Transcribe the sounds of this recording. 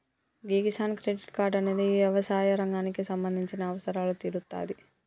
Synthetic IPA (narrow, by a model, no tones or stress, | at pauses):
ɡiɡisaːnkɾeːɖiʈkaːɾɖɐne̞ːd̪iʋjɐʋɐsaːjɐɾɐŋɡaːnikisɐmbɐnd̪ʱiɲt͡ʃinɐːʋɐsɐɾaːlut̪iːɾut̪ːa̰ːd̪i